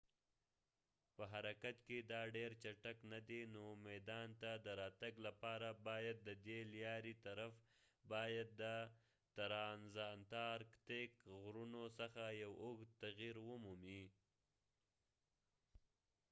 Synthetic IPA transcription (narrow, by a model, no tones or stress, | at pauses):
pəɦaɾakat̪ked̪ɑɖeɾt͡ʃaʈaknad̪enomajd̪ɑnt̪ad̪əɾɑt̪aɡlapɑɾabɑjad̪̚ːəd̪eljɑɾit̪aɾaf | bɑjad̪̚ːə | t̪aɾɑnzɑnt̪ɑɾkt̪ekɣɾunosəxajawoɡt̪aɣiɾwəmumi